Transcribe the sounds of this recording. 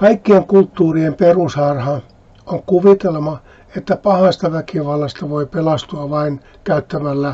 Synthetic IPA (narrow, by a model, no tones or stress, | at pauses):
kɑikːieŋkult̪ːuːriemperusɑrhɑ | oŋkuʋit̪elmɑ | et̪ːæpɑhɑst̪ɑʋækiʋɑlːɑst̪ɑʋoipelɑst̪uɑʋɑin | kæyt̪ːæmælːæ